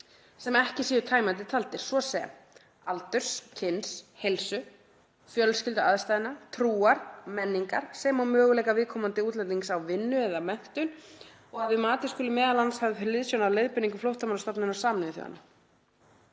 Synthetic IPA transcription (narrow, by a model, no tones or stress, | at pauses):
sɛmɛhcɪsiːðʏɾt̪ʰaːjmant̪ɪt̪ʰalt̪ɪɾ̥svɔsɛm | alt̪ʏɾ̥scʰɪnshejlsʏ | fjœlscɪlt̪ʏa̰ðst̪ajðɪnat̪ʰɾuːaɾ̥mɛnːiŋkaɾ̥sɛmawmœːɣʏlɛjkavɪðkʰɔmant̪ɪuːt̪lɛnt̪iŋksawvɪnːʏɛðamɛn̥t̪ʏn | ɔɣaðvɪmaːt̪ɪskʏːlɪmɛːðalanshavɪfɪɾɪlɪðsjownalejðpɪniŋkʏflowht̪amawlast̪apnɪnɔwsaːmnɪɪθjɔ̰ɣa̰nːa̰